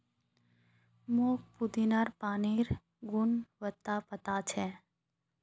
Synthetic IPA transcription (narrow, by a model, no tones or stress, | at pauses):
moːk̚pud̪inaɾpaːniɾ | ɡʊnʋət̪ːapət̪at͡ʃʰe